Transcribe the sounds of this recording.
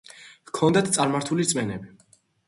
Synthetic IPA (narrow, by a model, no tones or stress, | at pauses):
vkʰɔnd̪at̪ʰt̪sʼaɾmaɾt̪ʰulit̪sʼmɛnɛbi